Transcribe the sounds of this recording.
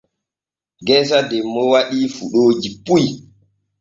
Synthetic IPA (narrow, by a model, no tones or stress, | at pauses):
ɡɛs̬adɛmːɔwaɗiːfuɗoːd͡ʒipuj